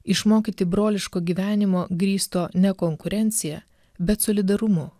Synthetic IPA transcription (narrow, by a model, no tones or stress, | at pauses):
ɪʃmoːkʲiːt̪ʲɪbɾoːlʲɪʃkoːɡʲiːʋʲæːnʲɪmoːɡɾʲiːst̪oːnʲɛkoːŋkʊɾʲɛnʲt̪sʲɪjɛ | bʲɛt̪soːlʲɪd̪ɐɾʊmʊ